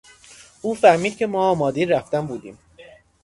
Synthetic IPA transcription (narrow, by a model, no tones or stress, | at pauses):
ʔuːfæɾmiːd̪̚cʰʲemɒːɒːmɒːd̪iɾæft̪ænbuːd̪ḭːm